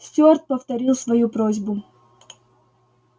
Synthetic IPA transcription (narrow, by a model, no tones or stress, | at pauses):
sʲtʲort̪̚pəft̪ɐɾʲilˠsvɐjupɾozʲbʊ